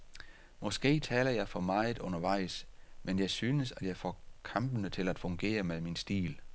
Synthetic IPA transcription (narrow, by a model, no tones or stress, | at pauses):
mɒ̽sɡ̥e̝̰ːt͡sʰɛ̰ːlɐjɑ̈ɪfɒ̽mɑ̈ɪð̩ˠɔ̽nɐʋɑ̈ɪ̰smenjɑ̈ɪsyːnəsæd̥jɑ̈ɪfɒ̰kʰɑ̈mb̥ənət͡sʰe̝læd̥fɔ̽ŋɡ̥e̝̰ːɐmeðˠminsd̥ḭːl